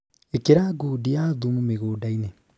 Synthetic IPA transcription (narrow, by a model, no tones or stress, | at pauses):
ekeɾaɡuːdiaðumumeɣoːdaine